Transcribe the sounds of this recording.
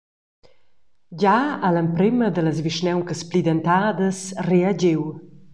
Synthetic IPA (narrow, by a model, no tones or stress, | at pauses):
ɟaaləmpɾeməd̪ələzviʃnɛwkəsplid̪ənt̪ad̪əsread͡ʑew